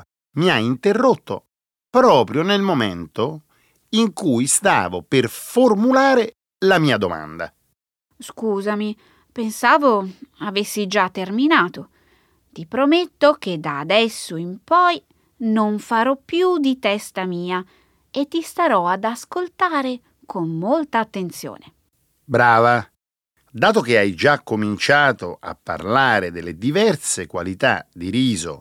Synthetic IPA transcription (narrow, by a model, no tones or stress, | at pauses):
miaint̪erːot̪ːo̰ | pɾɔːpɾjonelmomḛnt̪o | iŋkujst̪a̰ːvo̰performulaːɾe | lamiːad̪o̰ma̰nd̪a̰ | skuːzami | pensaːvoavesːid͡ʒat̪ːerminaːt̪o | t̪ipɾomet̪ːok̟ed̪aːd̪ɛsːoimpɔj | noɱfaɾɔpːjud̪it̪ɛst̪amiːa | et̪ːist̪aɾɔad̪askolt̪aːɾe | kʰomːolt̪aːt̪ːent̪sjo̰ːne | bɾaːva | d̪aːt̪ok̟eajd͡ʒakːomint͡ʃaːt̪oa̰pːa̰rlaːɾed̪elːed̪ivɛrsekwa̰lit̪a̰d̪iɾiːzo̰